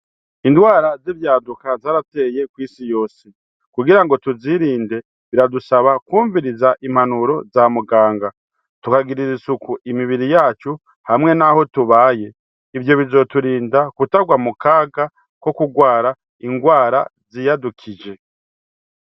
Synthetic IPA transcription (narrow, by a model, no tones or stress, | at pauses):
indwaːɾazivjaːdukazaːɾate̞je̞kwiːsijo̞ːse | kuɡiɾaŋɡo̞tuziɾiːnde̞ | βiɾadusaβakuːɱviɾizaʔim̥hanuɾo̞zamuɡaːŋɡa | tukaɡiɾizisukuʔimiβiɾijaːt͡ʃu | hamŋe̞naho̞tuβaːje̞ | ivjo̞βizo̞tuɾiːndakutaɡwamukaːɡa | ko̞kuɡwaːɾa | iŋɡwaːɾa̰zijadukʰid͡ʒe̞